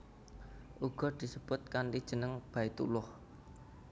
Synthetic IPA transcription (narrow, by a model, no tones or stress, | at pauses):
ʔuɡ̥ɔ̤d̪̥i̤səb̥ʊt̪̚kanʈid̥ʒ̥ə̤nəŋb̥a̤it̪ṵlʊh